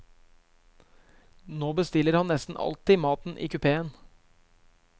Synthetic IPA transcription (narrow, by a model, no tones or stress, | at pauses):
noːbəst̪ɪlːəɾhɑnnɛst̪n̩ʔɑ̰lt̪ɪːmɑːt̪n̩ʔḭːkʉpʰeːən